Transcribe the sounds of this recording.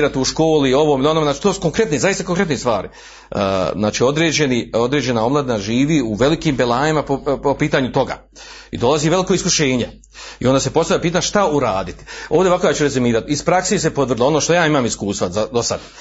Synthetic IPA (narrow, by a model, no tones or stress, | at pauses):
ɾat̪iuʃkoːlio̞ʋoːmilio̞nomenat͡ʃi̥t̪oːsu̥koŋkɾe̞t̪nezajist̪ako̞ŋkɾe̞t̪nest̪ʋaːɾḭ | ə̰ːznaːt͡ʃio̞d̪ɾeːd͡ʑenio̞d̪ɾeːd͡ʑe̞nao̞mlad̪inaʒiːʋiːuʋe̞likiːmbelˠaːjimaopopiːt̪aːɲut̪o̞ɡa̰ː | ḭd̪o̞lˠaziʋe̞liko̞iskuʃeːɲe | ḭond̪aːse̞po̞st̪avlʲjapiːt̪aɲaʃt̪auɾaːd̪it̪i̥oːʋd̪eʋako̞jaːt͡ʃuɾezumiːɾat̪ispɾakseːs̬epot̪ər̩d̪iloo̞noːʃt̪o̞jaːimaːmiskuːst̪ʋazad̪osad̪